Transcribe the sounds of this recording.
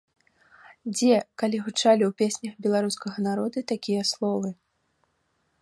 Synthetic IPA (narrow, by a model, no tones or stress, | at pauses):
d͡zʲɛkalʲiɣut͡ʂalʲiwpʲesʲnʲɐxbʲɛlˠaɾuskɐɣɐnaɾɔd̪ut̪akʲijɐslˠɔvɨ